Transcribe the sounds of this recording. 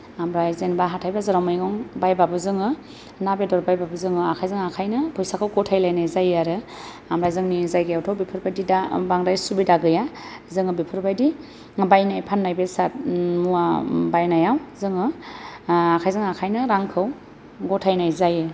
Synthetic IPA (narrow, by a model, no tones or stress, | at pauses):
amɾajzenbaɦatʰajbazɯɾawmajɡɔŋbajbabɯzɯŋɯ | nabedɔɾbajbabɯzɯŋɯakʰajzɯŋakʰajnɯpʰɔjsakʰɯwɡɔtʰajlajnajzajaɾɯ | amɾajzɯŋnizajɡɯjawtʰɔwbipʰɯɾbajdidabaŋdajsubidaɡɯja | zɯŋɯbipʰɯɾbajdi | bajnajpʰanːajbesat̚muabajnajawzɯŋɯ | akʰajzɯŋakʰajnɯɾaŋkʰɯw | ɡɔtʰajnajzajɯ